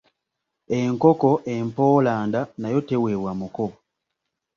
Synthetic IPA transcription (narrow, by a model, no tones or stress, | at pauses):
e̞ŋko̞ko̞ʔempo̞ːlaːndanajo̞te̞we̞wamuko